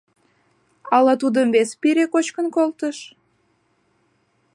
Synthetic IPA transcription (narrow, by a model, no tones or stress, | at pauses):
ɑlɑt̪̬ud̪əmβespiɾekot͡ɕkənkolt̪əʃ